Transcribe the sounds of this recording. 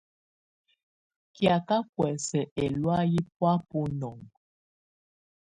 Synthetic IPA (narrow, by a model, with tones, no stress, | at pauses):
kja˨ka˦kwɛ˨sɛ˨ʔɛ˨lwa˦ji˦pwa˦pu˦nɔ˨ŋ